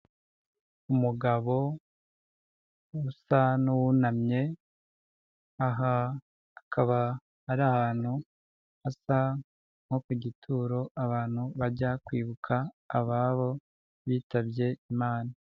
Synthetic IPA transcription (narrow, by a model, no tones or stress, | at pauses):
umuɡaβo̞ | usanuwunamɲe̞ | aɦaː | kʰaβaː | ɾahaːn̥hu | asa | ŋ̥ho̞kuɟitʰuːɾo̞aβaːn̥huβaɟakwiːβukʰaː | βaβo̞ | βiːtaβje̞imaːna